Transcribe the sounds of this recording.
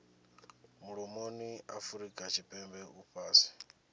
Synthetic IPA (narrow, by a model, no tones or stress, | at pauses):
muɺɔmoniafuɾikʼat͡ʃʰipʼɛmbɛuɸʰaːsi̥